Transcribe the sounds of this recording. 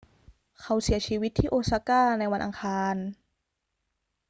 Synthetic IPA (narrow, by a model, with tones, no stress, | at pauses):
kʰa˧˥wsi˨˩˦ɐt͡ɕʰiː˧wi˦t̪ʰːiː˥˩ʔoː˧sa˧kaː˥˩na˧jwa˧nʔa̰˧ŋkʰaː˧n